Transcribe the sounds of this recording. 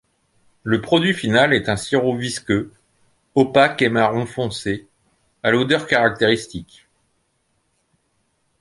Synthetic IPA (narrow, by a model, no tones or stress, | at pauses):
ləpχɔd̪ɥifinalɛt̪ɛ̃siʁoviskø | ɔpakemaʁɔ̃fɔ̃se | alod̪œʁkaʁak̚t̪eʁist̪ik